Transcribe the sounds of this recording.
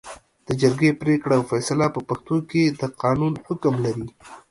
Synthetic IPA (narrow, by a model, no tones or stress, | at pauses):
d̪̥əd͡ʒaɾɡepɾekɽaːwfɛsalapəpaxt̪oked̪əqɑnunhʊkmlaɾi